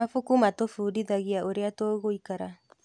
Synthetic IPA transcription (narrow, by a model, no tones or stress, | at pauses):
afukumatofudiðaɣiaʔoɾeatoːɣoikaɾa